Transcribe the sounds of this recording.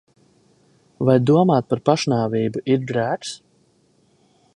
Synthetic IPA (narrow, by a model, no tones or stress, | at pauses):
vajd̪uɔmaːt̪̚paɾpaʃnaːviːbuʔiɾd̪ɾæːks